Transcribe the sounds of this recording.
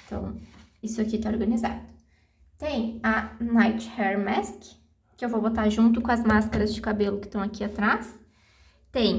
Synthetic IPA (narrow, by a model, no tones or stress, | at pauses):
t̪ɐ̰̃w̃isʊakit̪aoɾɡɐniza̰d̪ʊ | t̪ẽj̃ɐnajt͡ʃhɛɾmɛskɪ | kɪewvobot̪aʒũnt̪ʊkõɐzmaskɐɾɐzd͡ʒɪkabelʊkɪ̥t̪ɐ̃w̃akiat̪ɾas | t̪ẽj̃